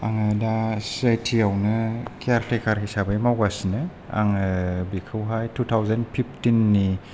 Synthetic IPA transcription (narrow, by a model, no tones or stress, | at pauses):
aŋɯdasajtʰiawnɯkiaɾtʰejkʰaɾhisabɯjmawɡasnɯ | a̰ŋɯbikʰɯwɦajtʰutʰawzanpʰip̚ʰtinːi